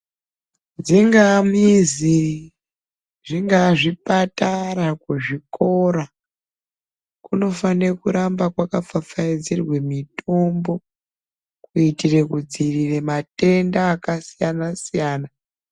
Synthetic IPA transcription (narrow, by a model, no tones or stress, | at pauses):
d͡ziŋɡamizi | ʐiŋɡaʐipataɾakuʐiko̞ɾa | kuno̞fanekuɾambakwakafafaid͡zirwe̞mitʰo̞mbo̞ | kuitire̞kud͡ziriremate̞ndaːkasijanasijaːna